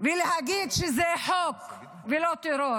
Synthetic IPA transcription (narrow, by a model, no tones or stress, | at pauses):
veleɦaɡid̪ʃezeħok | velot̪iɾo